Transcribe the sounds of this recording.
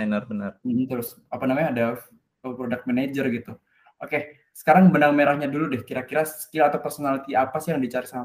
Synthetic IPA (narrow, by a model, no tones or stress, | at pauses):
nərbənərm̩m̩t̪əɾʊs | apanamaɲaːda | əpɾodak̪̚mɛned͡ʒərɡit̪u | ʔoke | sə̥kaɾaŋbəndaŋmeɾahɲaduludɛhkiɾakiɾasə̥kilaːt̪awpərsonalit̪iapasɪjaŋdit͡ʃaɾisama